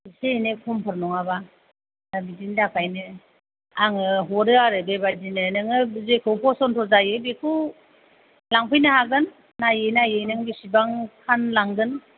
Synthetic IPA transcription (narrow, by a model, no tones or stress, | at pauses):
senekʰɔmpʰɯɾnɔŋaba | abidindapʰajnɯ | aŋɯɦɔɾɯaɾɯbebadinɯnɯŋɯzekʰɯwpʰɔsɔntʰɔzajɯbekʰu | laŋpʰɯjnɯhaɡɯnː | ajejnajenɯŋbisibaŋkʰanlaŋɡɯn